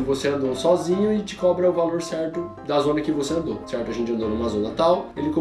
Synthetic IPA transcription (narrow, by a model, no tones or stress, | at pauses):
voseɐ̃nd̪osɔzĩɲʊɪd͡ʒɪkɔbɾɐʊvaloɾsɛɾt̪ʊ | d̪ɐzõnɐkɪvoseɐ̃nd̪osɛɾt̪ʊoʒẽt͡ʃɐ̃nd̪onũmɐzõnɐt̪awelɪkõ